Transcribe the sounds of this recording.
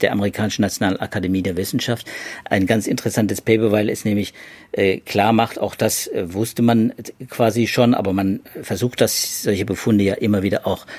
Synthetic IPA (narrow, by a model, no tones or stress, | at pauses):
d̥eːɐʔaməʁikʰaːnɪʃn̩nat͡sjonaːlənʔa̰kʰademiːdeːɐvɪsn̩ʃaftʔa̰ɪnɡant͡sɪntəʁəsantəspʰɛːpəvaɪlɛsnɛːmlɪçʔɛːkʰl̥aːɐmaχta̰ʊxd̥asvʊstəmankv̥aːziʃoːnʔa̰ːbɐmanfɛɐzuːxtd̥asz̥ɔlçəbəfʊndəjaːʔɪmɐviːdɐʔaʊx